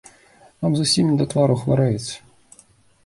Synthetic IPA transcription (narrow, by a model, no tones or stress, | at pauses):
namzʊsʲimʲɪd̪ɐt̪vaɾʊxvaɾajɪt̪sʲə̥